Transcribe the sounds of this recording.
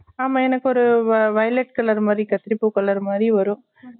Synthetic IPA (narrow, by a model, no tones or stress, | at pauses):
aːmãːɛnɐkːɯɔɾɯʋɐjlɛʈkɐlɐɾmaːd̪ɾikɐt̪ːɪɾɪpːukɐɭɐɾmaːd̪ɾiʋɐɾʊ̃